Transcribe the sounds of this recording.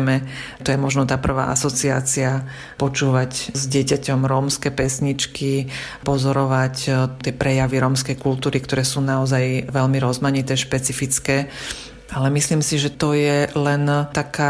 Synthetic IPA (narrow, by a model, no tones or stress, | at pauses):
mɛ | t̪ɔjɛmɔʒnɔt̪aːpr̩ʋa̰ːʔa̰sɔt͡sia̰ːt͡sia | pɔt͡ʃuːʋaczɟɪɛcacɔmɾɔmskɛːpɛsɲit͡ʃki | pɔzɔɾɔʋact̪ɪɛpɾɛjaʋiɾɔmskɛjkult̪uːɾikt̪ɔɾɛːsuːnaɔzajʋɛlmiɾɔzmaɲit̪ɛːʃpɛt͡sifit͡skɛː | ʔalɛmisliːmsiʒɛt̪ɔjɛlɛnt̪akaː